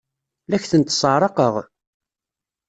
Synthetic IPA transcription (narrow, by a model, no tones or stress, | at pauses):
læçθənt̪ːsˤəʕɾˤɑqəʁ